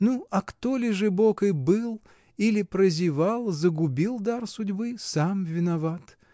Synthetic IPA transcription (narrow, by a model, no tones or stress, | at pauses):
nuɐkt̪olʲɪʐɨbokɨjbɨlˠ | ilʲɪpɾəzʲɪvalˠzəɡʊbʲilˠd̪arsʊdʲbɨsamvʲɪnɐvat̪